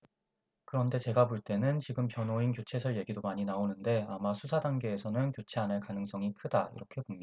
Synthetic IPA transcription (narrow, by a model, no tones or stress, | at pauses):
kɯɾʌnde̞t͡ɕe̞ɡapoɭt͈e̞nɯnt͡ɕiɡɯmpjʌnoinkjot͡ɕʰe̞sʰʌɭje̞ɡidomaɲinaonɯnde̞amasʰusʰadaŋɡe̞ːsʰʌnɯnkjot͡ɕʰeanɯɭkanɯŋs͈ʌŋikʰɯdaḭɾʌkʰe̞bomɲ